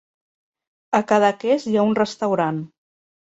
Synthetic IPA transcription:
əkaðəkezjaunrəst̪əwɾan

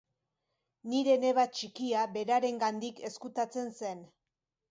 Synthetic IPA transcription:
niɾe̞ne̞βat͡ʃikiabe̞ɾaɾe̞ŋɡand̪ike̞skut̪at͡se̞nse̞n

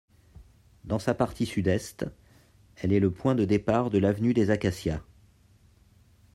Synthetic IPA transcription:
d̪ɑ̃sapaʁt̪ʰisyd̪ɛst̪ | ɛlɛləpwɛ̃d̪əd̪epaʁd̪əlavnyd̪ezakasja

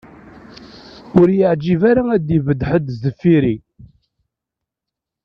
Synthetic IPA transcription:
ʊɾjəʕd͡ʒivaɾaæd̪ivəd̪ħəd̪zəfːiɾi

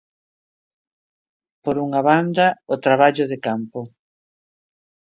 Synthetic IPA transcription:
poɾuŋaβand̪ɐot̪ɾaβaʎʊðekampʊ

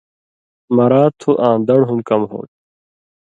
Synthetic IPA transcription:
mɐɾaːt̪ʰuʔãːnd̪ɐɽɦumkɐmɦo̰ːʈ̚

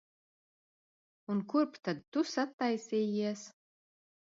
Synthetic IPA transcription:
unkuɾpt̪ad̪̚t̪ːusat̪ːajsʲiːjiɛs

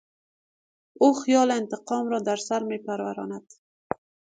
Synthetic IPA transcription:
oxijɔlɪnt̪ɪqɔmɾɔd̪aɾsaɾmepaɾwaɾɑ̰nad̪̥

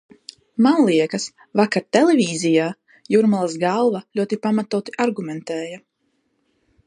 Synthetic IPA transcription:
mawlˠiɛkas | vakaɾt̪ɛlevʲiːzijaː | juɾmalˠasɡalˠvalʲuɔt̪ipamat̪uːt̪iʔaɾɡumɛnt̪ɛːja

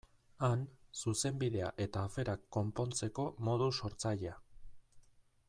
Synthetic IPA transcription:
ansuse̞mbið̞e̞aʔe̞t̪aːfe̞ɾakːo̞mpo̞nt͡se̞ko̞mo̞ðuso̞ɾt͡saʎea

